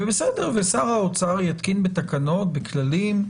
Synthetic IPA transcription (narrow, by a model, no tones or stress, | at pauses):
vebesedeʁvesaʁaot͡saʁjat̪kinbet̪akano̞t̪̚beklalim